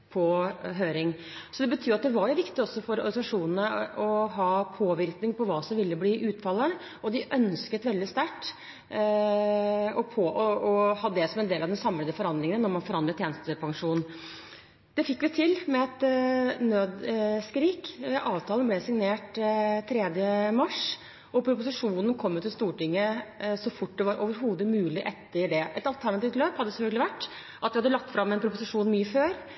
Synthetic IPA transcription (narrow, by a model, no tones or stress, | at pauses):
pʰɔɦøːɾɪŋ | sɔd̪ɛbət̪ʰyːɑt̪d̪ɛʋɑɾjʊʋɪkt̪ɪɔsːɔfɔɾɔ̰ɾɡ̪sɑʂuːnənəɔɦɑːpʰoːʋɪɾknɪŋpɔʋɑːsɔmʋɪlːəbliːʔʉːt̪fɑlːəɳ | ɔd̪ɪʔœnskət̪ʋɛld̪ɪst̪æʈː | ɔpʰoːʔɔɔhɑdd̪ɛsɔmɛnd̪eːlɑʋd̪ɛsɑmləd̪əfɔɾɑnd̪ɾɪŋənənɔɾmɑnfɔɾɑnd̪ləʈ̪ʰjeːnst̪əpʰɑŋʂuːn | d̪̥ɛfɪkːʋɪt̪ʰɪlmɛɛt̪nøːd̪skɾiːkɛʔɑːʋt̪ʰɑːlənblɛsɪŋneːʈt̪ʰɾɛːd̪jəmɑʂ | ɔpʰɾʊpʊsɪʂuːnənkʰɔmːət̪ɪlst̪uːʈɪŋːəsɔfʊʈːd̪ɛʋɑɾʔoːʋəɾɦuːd̪əmʉːlɪʔɛt̪ːəɾɖɛʔɛt̪ɑlt̪ʰæɳɑt̪iːʋt̪løːphɑd̪ːəsɔhøɡlɪʋæʈː | ʔɑt̪d̪ɛhɑd̪ːəlɑk̚t̪ːfɾɑmːɛnpʰɾʊpʊsɪʂuːnmyːəføːɾ